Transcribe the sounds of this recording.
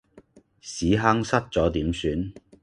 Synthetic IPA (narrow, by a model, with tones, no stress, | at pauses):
siː˨˥ɦa˥ŋsɐ˥t̚t͡sɔː˨˥t̪iː˨˥msyː˨˥n